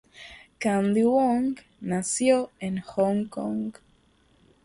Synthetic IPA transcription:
kãnd̪iwoŋɡ | nasjoenxoŋkoŋɡ

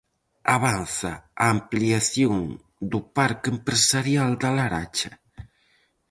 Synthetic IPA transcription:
aβanθaaːmpliaθjoŋ | d̪upaɾkempɾesaɾjald̪alaɾa̰t͡ʃɐ

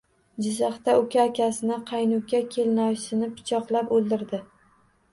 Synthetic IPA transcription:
d͡ʒɪzaχt̪aokʲʰaːkʲasɪnɪqʰɑjnʊkʲːakʲʰe̞lɪnɒjsɪnɪpʰːɪ̥t͡ʃʰɒqlˠapolˠd̪ɪɾd̪ɪ

